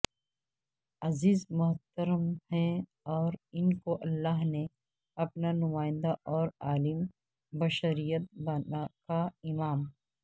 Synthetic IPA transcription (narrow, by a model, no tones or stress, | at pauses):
ɐziːzmʊɦt̪əɾəmhɛ̃ | ɔːɾɪnkoʔɐlːaːɦne | ɐpnanʊmaːɪ̃nd̪aʔɔːɾaːlɪm | bɐʃəɾijət̪̚bɐnakaɪmaːm